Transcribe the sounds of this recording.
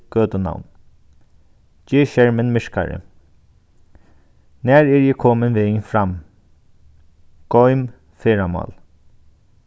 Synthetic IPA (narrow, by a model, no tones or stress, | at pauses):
ɡ̥øːt̪əna̰wn | d͡ʒeːʃɛɹmənmɪʂka̰ɹə̰ | næːɹɛɹjɛkʰɔːmənʋeːŋfɾam | ɡ̥ɔʏm | feːɹamɑ̰ːl